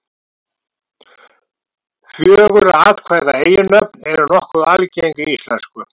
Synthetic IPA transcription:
fjœːɣʏɾaaːðkʰvaːjðaeːjʏnœpnɛɾʏnɔhkʏalcejŋkʏist̪lɛnskʏ

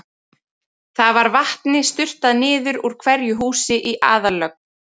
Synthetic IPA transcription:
θavaɾvaht̪nɪst̪ʏr̥t̪aðnɪːðʏɾuɾ̥kʰvɛɾjʏɦuːsɪʔiʔa̰ːðalœk̚n

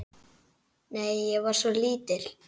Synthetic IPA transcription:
neːjːɛɣvaɾ̥svɔliːt̪ɪl

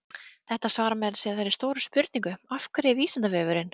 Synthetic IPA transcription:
θɛht̪asvaːɾamɛðlsjɛθajɾist̪oːwɾʏspʏɾt̪niŋkʏafkɾɪviːsant̪avɛːvʏɾɪn

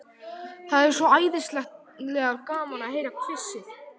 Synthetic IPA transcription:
θaðɛɾ̥svɔaːjðɪnst̪lɛxt̪ | lɛːɣaɾkaːmanaheːjɾakk̪ʰvɪsːɪθ

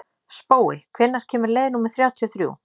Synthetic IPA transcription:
spoːwɪ̰kʰvɪnːaɾ̥cʰɛːmɪɾleːjðnuːmɪðθɾjaːwt̪ʰiɔθɾjṵː

